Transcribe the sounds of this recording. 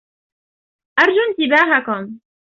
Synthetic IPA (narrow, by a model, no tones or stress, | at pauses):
ʔɑɾˤd͡ʒʊnt̪ɪbaːɦakʊm